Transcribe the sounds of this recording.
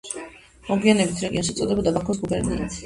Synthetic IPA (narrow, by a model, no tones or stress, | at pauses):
mɔɡianɛbit̪ʰɾɛɡiɔnʃɛt̪sʼɔd̪ɛbɔd̪abakʰɔs̬ɡubɛɾnḭt̪sʰ